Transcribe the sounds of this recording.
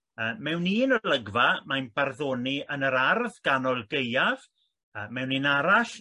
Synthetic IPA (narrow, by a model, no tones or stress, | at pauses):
əːmɛwninələɡvamajnb̥arðoːniənəɾarðɡ̥anɔlˠɡejav̥ | əmɛwninaɾaɬ